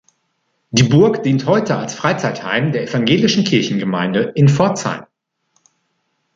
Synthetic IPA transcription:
d̥iːbʊɐkd̥iːnthɔʏtəalsfʁ̥aɪt͡saɪtha̰ɪmdeːɐefaŋɡeːlɪʃn̩kʰɪɐçn̩ɡəma̰ɪndəʔɪnfɔɐt͡sa̰ɪn

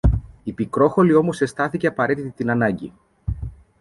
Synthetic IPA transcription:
ipikɾo̞xo̞lio̞mo̞se̞st̪ɐθice̞ɐpɐɾe̞t̪it̪it̪inɐnɐɲɟi

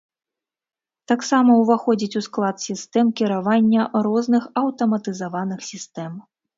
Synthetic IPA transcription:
t̪aksamɐuwvaxɔd͡zʲit͡sʲusklˠat̪sʲist̪ɛmkʲiɾavanʲːɐɾɔznɨxɐwt̪ɐmɐt̪ɨzavanɨxsʲist̪ɛm

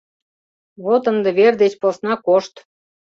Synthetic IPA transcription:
βot̪ənd̪ĕβerd̪et͡ɕposnɑkoʃt̪

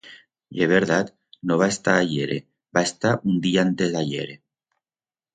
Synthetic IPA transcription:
ieβ̞eɾðat̪ | noβ̞aest̪aːʎeɾḛ | baest̪aʔund̪iaant̪ezðaʎḛɾe

